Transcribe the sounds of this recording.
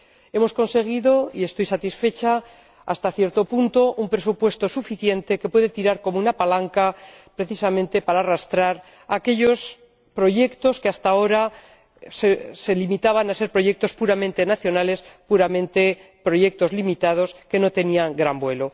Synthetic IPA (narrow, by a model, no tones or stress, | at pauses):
e̞mo̞sko̞nse̞ɣ̞iðo̞ie̞st̪o̞jsat̪isfe̞t͡ʃa̰ː | st̪aθje̞ɾt̪o̞punt̪o̞ʔumpɾe̞supwe̞st̪o̞sufiθje̞nt̪e̞ke̞pwe̞ðet̪iɾaɾko̞mounapalaŋkapɾe̞θisamẽnt̪e̞paɾaːrast̪ɾaɾ | ake̞ʎo̞s | pɾo̞ʝe̞kt̪o̞skeast̪ao̞ɾa | sese̞limit̪aβanase̞ɾpɾo̞ʝe̞k̚t̪o̞spuɾamẽ̞nt̪e̞naθjo̞nale̞spuɾamẽ̞nt̪e̞ | pɾo̞ʝe̞k̚t̪o̞zlimit̪að̞o̞ske̞no̞t̪e̞niaŋɡɾambwe̞lo̞